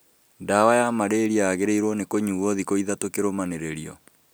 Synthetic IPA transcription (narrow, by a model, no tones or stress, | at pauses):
ndawajamaɾeɾiaːɣeɾeiɾwɔnekoɲuɔðikoiðatokeɾomaneɾeɾiɔ